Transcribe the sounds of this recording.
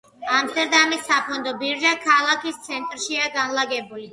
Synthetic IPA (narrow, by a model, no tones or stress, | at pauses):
amst̪ɛɾd̪amisːapʰɔnd̪ɔbivʒakʰalˠakist̪sʰɛnt̪ʼɾʃiaɡanlaɡɛbuli